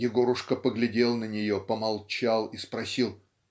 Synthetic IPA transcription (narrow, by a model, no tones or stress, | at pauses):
jʲɪɡo̞ɾʊʂkəpəɡlʲɪdʲe̞lˠnənʲɪjopəmalˠt͡ɕalˠispɾɐsʲilˠ